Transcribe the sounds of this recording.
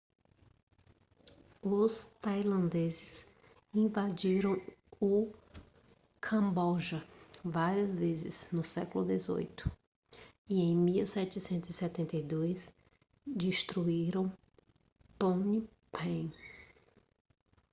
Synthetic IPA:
ʊst̪ajlɐ̃nd̪ezɪs | ĩvad͡ʒiɾɐ̃w̃ʊ | kʰɐ̃mbɔʒɐvaɾiɐzvezɪ̰z̥nʊsɛkʊlʊd̪ezo̰jt̪ʊ̥ | iẽj̃miwsɛt͡ʃɪsẽnt̪ʊzisɛt̪ẽnt̪ejd̪ojs | d͡ʒiʃt̪ɾuiɾɐ̃w̃ | põni | pʰẽ

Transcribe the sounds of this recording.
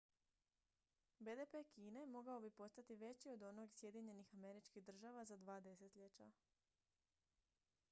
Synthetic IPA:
be̞ːd̪epe̞kiːne̞mo̞ɡao̞bipo̞st̪at̪iʋe̞t͡ɕio̞d̪o̞no̞ɡsje̞d̪iɲe̞nixame̞ɾit͡ʃkid̪r̩ʒaʋazad̪ʋaːd̪e̞se̞t̪ʎe̞t͡ɕa

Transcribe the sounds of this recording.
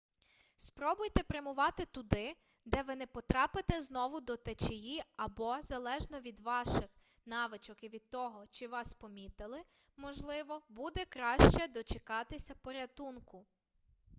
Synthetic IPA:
spɾɔbʊjt̪ɛpɾemʊʋɑt̪ɪt̪ʊd̪ɪ | d̪ɛʋɪnɛpɔt̪ɾɑpɪt̪ɛznɔʋʊd̪ɔt̪et͡ʃejiɐbɔzɐlˠɛʒnɔʋʲid̪ʋɑʃɪx | nɑʋɪt͡ʃɔkiʋʲid̪̚t̪ːɔɦɔt͡ʃɪʋɑspɔmʲit̪ɪlˠɪ | mɔʒlˠɪʋɔbud̪ɛkɾɑʃt͡ʃɛd̪ɔt͡ʃekɑt̪ɪsʲɐpɔɾʲɐt̪unkʊ

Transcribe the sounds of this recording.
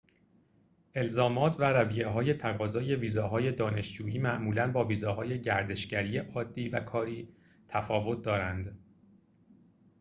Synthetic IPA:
ʔe̞lzɒːmɒːt̪ʰvæɾævije̞ɦɒːje̞t̪ʰæɣɒːzɒːje̞viːzɒːɦɒːje̞d̪ɒːne̞ʃd͡ʒuːjiːmæʔmuːlænbɒːviːzɒːɦɒːje̞ɟæɾd̪e̞ʃɟæɾijeʔɒːd̪ːiːvæ̰kʰɒːɾiː | t̪ʰæfɒːvo̞t̪̚d̪ɒːɾænd̪

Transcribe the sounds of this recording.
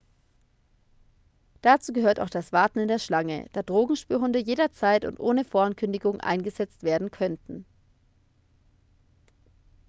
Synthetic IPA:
d̥at͡suːɡəɦøːɐta̰ʊxd̥asv̥aɐtn̩ɪndeːɐʃlaŋə̰d̥aːdʁoːɡŋ̩ʃpyːɐɦʊndəjeːɾɐt͡saɪtʊ̰ntʔoːnəfoːɐankʰʏndɪɡʊŋʔa̰ɪnɡəzɛt͡stv̥eːɐdn̩kʰœntn̩

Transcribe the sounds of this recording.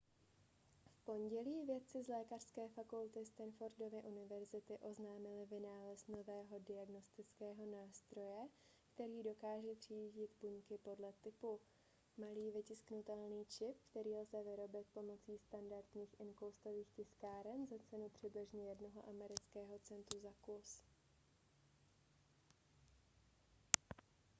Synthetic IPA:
fpo̞ɲɟɛliːvjɛt̪̚t͡sɪzlɛːkar̝̥skɛːfakult̪ɪst̪anfoɾdo̞vɪʔunɪvɛɾzɪt̪ɪʔo̞znaːmɪlɪvɪnaːlɛst̪no̞vɛːɦodɪaɡno̞st̪ɪt͡skɛːɦo̞naːst̪ɾo̞jɛ | kt̪ɛɾiːdo̞kaːʒɛvr̝̥iːɟɪt̪buɲkɪpo̞dlɛt̪ɪpu | maliːvɪcɪsknut̪ɛlniːt͡ʃɪp̚kt̪ɛɾiːlzɛvɪɾo̞bɪt̪po̞mo̞t͡siːst̪andaɾt̪ɲiːxʔɪnkowst̪o̞viːxcɪskaːɾɛnzat͡sɛnupr̝̥ɪblɪʒɲɛjɛdno̞ɦo̞̰ʔamɛɾɪt͡skɛːɦo̞t͡sɛnt̪ɾuzakus

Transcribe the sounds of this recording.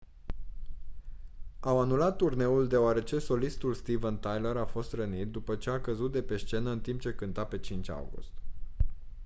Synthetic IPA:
awanulat̪ːurne̞uld̪e̞oaɾe̞t͡ʃe̞so̞list̪ulst̪ivənt̪ajləɾafo̞st̪rənit̪̚d̪upət͡ʃe̞akəzut̪̚d̪e̞pe̞st͡ʃe̞nəɨnt̪imp̚t͡ʃe̞kɨnt̪ape̞t͡ʃint͡ʃʲa̰wɡṵst̪

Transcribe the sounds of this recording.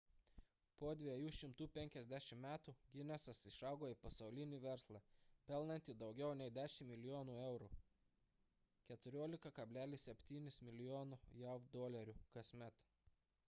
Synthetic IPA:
poːd̪ʲʋʲijuːʃʲɪmt̪uːpʲɛŋʲkʲɛzʲd̪ʲæʃʲɪmmʲæːt̪uːɡʲɪnʲɛsɐsɪʃɑˑʊɡoːɪpɐsɐʊlʲɪnʲiːʋʲɛɾslˠɑpʲɛlˠnɐnʲt̪ʲɪd̪ɒʊɡʲɛʊnʲɛɪd̪ʲæːʃʲɪmmʲɪlʲɪjoːnuɛʊɾuː | kʲɛt̪ʊɾʲoːlʲɪkɐkɐbʲlʲæːlʲɪssʲɛpʲt̪ʲiːnʲɪsmʲɪlʲɪjoːnʊjɛd̪oːlʲɛɾʲukɐsʲmʲɛt̪

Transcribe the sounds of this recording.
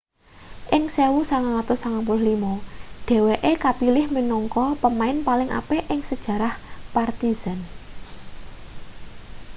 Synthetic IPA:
ʔɪŋsewusaŋaŋat̪ʊsaŋapʊllimɔɖ̥e̤weʔekapilɪhmənɔŋkɔpəmaɪnpalɪŋʔa̰peʔɪŋsəd̥ʒ̥ä̤ɾahpart̪iz̥an

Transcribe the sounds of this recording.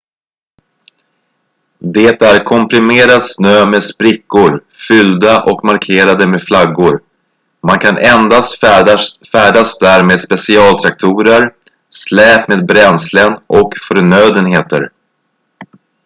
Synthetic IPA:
d̪eːt̪æɾkʰɔmpɾɪmeːɾad̪snøːmeːd̪spɾɪkːʊɾ | fʏld̪aʔɔkmaɾkʰeːɾad̪əmeːd̪flaɡːʊɾ | mankʰanʔɛnd̪ast̪ | fæːɖasd̪æːɾmeːd̪spɛsɪɑːlt̪ʰɾak̚t̪ʰuːɾəɾ | slɛːpmeːd̪̚bɾɛnslənʔɔkfœɾɳøːd̪ənheːt̪ə̰ɾ

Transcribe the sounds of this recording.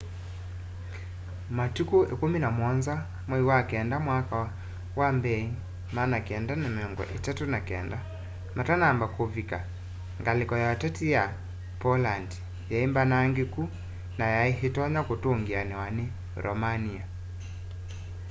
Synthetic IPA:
matukoʔḛkominamwɔnza | mwɛiwakɛndamwaka | wambɛi | manakɛndanemeɔŋɡɔ̰ʔetatonakɛ̰nda | matanambakovika | ŋɡalekɔjatatija | pɔlandi | jaimbanaŋɡeku | najaeɦetɔɲakotoŋɡianɛwane | ɾʔɔ̰mania

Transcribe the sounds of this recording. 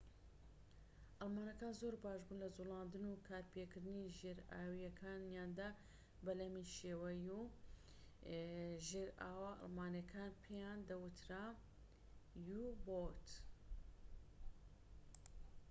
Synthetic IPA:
ʔɐlˠmaːnɐkaːnzoːɾbaːʒbuːnlɐzulˠɑːnd̪ɨnukʰaːɾpʰekʰɨɾd̪ɨniʒeːɾa̰ːwijɐkʰaːnjaːnd̪a | bɐlɐmiʃeːwɐju | ʒeːɾaːwaʔɑ̰lˠmaːnekʰaːnpʰejaːnd̪ɐwɨt̪ʰɾa | jubot̪

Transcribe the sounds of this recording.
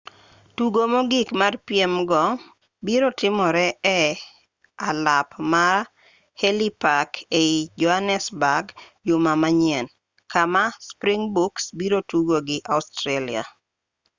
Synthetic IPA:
tuɡomoɡɪkmarpiemɡɔ | biɾotɪmɔɾɛɛ | alapmar | helipakeid͡ʒɔhanɛsbaɡjʊmamaɲiɛn | kamaspɾiŋbuksbiɾotuɡoɡɪʔaʊstɾalia̰

